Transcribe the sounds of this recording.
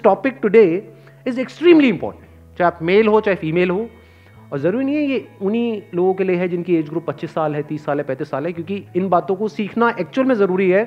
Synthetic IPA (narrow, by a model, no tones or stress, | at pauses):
ʈɔːpɪk̚ʈʊɖeː | ɪzeksʈɾiːmliɪ̃mpɔ̰ːʈə̃ʈː | t͡ʃaːeaːpmeːlɦot͡ʃaːɦefiːmeːlɦo | ɔːɾzɐɾuːɾinɐ̃ɦĩɦɛjeʊniloːɡõkelieɦɛd͡ʒɪnkieːd͡ʒɡɾʊpːɐt̪ːʃɪsːaːlɦɛt̪iːsːaːlɦɛpɛ̃ːt̪ɪsːaːlɦɛkjõːkiɪnbaːt̪õkosiːkʰnaʔɛːk̚t͡ʃuəlmẽzɐɾuːɾiɦɛː